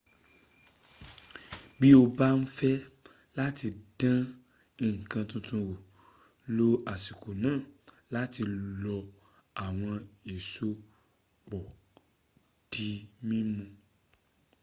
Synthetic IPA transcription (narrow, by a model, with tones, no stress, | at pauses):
bi˦o˦˧ba˦n̩˦fɛ˦ | la˦ti˧d̥ã˦ | ĩ˨kã˧tũ˧tũ˧wo˨ | lo˦a˨si˨ko˨nãː˨˦˨ | la˦ti˧lɔ˧ | a˨w̃ɔ̃˧e˨so˦ | k͡pɔ˨ | d̥i˧˦mĩ˦mũ˧